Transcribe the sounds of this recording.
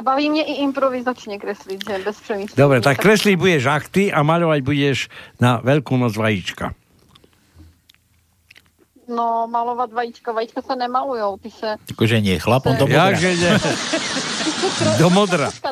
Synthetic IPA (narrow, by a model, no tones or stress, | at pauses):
baʋiːmɲɛʔiʔimpɾɔʋizat͡ʃɲɛkɾɛsliɟʒɛbɛspr̥ɛmid̪ɔbɾɛt̪akːɾɛsliɟbuɟɛʒaxt̪iamaʎɔʋaɟbuɟɛʒnaʋɛʎkunɔd͡zʋajit͡ʃka̰ | nɔmalɔʋadʋajit͡ʃkaʋajit͡ʃkasanɛmalujoʊt̪isɛakɔʒɛɲɪɛxlapɔnt̪ɔjaʒɛɲɛ | d̪ɔmɔd̪ɾa